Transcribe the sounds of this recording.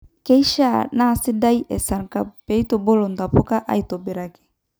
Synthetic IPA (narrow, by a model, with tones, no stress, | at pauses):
ke˦i˦ʃa˦˨na˦˨sɪ˦da˦i˦ʔɛ˨sa˨ɾka˨pe˨˦i˦to˨bo˦lo˨n˨da˨po˦ka˦ʔa̰˦i˨to˨be˨ɾa˨ki̥˨